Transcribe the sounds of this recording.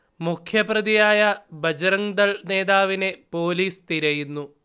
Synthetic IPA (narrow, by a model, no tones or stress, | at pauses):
mukʰjɐprɐðijaːjɐbʱɐd͡ʑɐɾɐŋd̪ɐɭne̞ːd̪aːʋine̞po̞ːliːst̪iɾɐjunːu